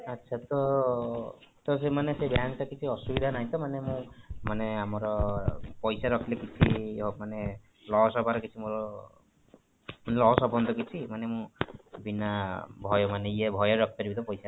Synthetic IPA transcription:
atːt͡ʃʰat̪ɔ | t̪ɔs̬emanesebjaŋʈakit͡ʃʰiɔsubid̪ʱanaɦĩt̪ɔmanemũmaneamɔɾɔpɔjsaɾɔkʰlekit͡ʃʰimane | lɔɦsɔbʱaɾɔkit͡ʃʰimoɾɔ | mnelɔɦɔsɔbɔnd̪ʱɔkit͡ʃʰimanemũbinabʱɔjɔmaneiebʱɔjɔɾɔk̚ʰt̪ɔɾibit̪ɔpɔjsa

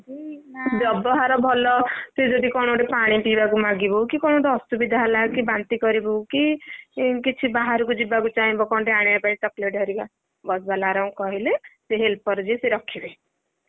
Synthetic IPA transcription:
d͡ʒid͡ʒɔbɔɦaɾɔbʱɔlɔsed͡ʒɔd̪ikɔɽ̃oʈepaɽ̃ipibakumaɡibɔwkikɔɽ̃oʈeɔsubid̪ʱalakibant̪ikɔɾibowki | kit͡ʃʰibaɦaɾukud͡ʒibakut͡ʃaɦĩbɔkɔnʈeaɽ̃apait͡ʃɔkleʈɦɔɾiba | bɔsbalaɾaw̃kɔɦileseɦelpɔɾd͡ʒiseɾɔkʰibe

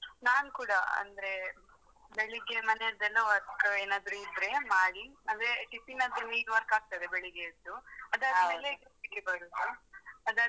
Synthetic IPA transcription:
naːnkuːɽaɐ̰nd̪ɾe | beɭiɡemɐneɐɾd̪ɐlːoʋɐɾkɐeːnaːd̪ɾuid̪ɾe̞maːɽiɐnd̪ɾeʈipinɐd̪ɾuniːʈʋɐɾkaːɡ̚t̪ɐjd̪ebeɭiɡeid̪ːuɐd̪ɐmeleɡɐikːebɐɾusɐɐd̪ɐ

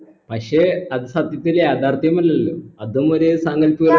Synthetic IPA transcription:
pɐkʂeɐðɨsɐd̪ʱjɐt̪ːiljaːd̪ʱaːrt̪ɐjɐmɐlːɐlːoɐðumoɾesɐŋɡɐlpujɐ

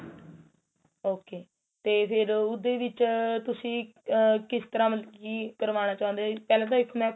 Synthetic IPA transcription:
oːkeː | t̪eːpʰɪɾʊd̪eːʋɪt͡ʃt̪ʊsĩːkɪst̪əɾãːməlkiːkəɾʋaːñaːt͡ʃaːʊ̃nd̪eːpɛːlãːt̪̬ãːɪkʰːmɛ̃ː

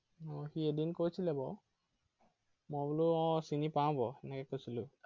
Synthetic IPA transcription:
ɔxiedinkojsilɛbɔ | mɔbuluɔ̃sinipãbɔɛnɛkɛkosilʊ

